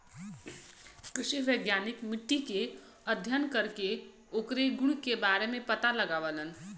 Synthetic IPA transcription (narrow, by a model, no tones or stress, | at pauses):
kɾɪʃiʋəɪɡjaːnɪkmɪʈːike | əd̪ʱjənkəɾke | oːkɾeɡʊɽkebaːɾemẽpɐt̪alɐɡaːʋələn